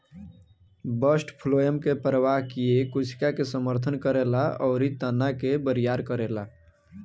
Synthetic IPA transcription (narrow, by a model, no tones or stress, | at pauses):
bəsʈpʰlojəmkepɾəʋaɦkijekʊt͡ʃʰkakesəməɾt̪ʰənkəɾelaɔːɾit̪ənakebəɾijaɾkəɾela